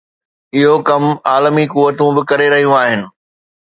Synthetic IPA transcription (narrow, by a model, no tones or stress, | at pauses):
ɪɦokɐmaːlmikuʋːət̪ũbɪkɐɾeɾɐɦijũaːɦɪnɪ̆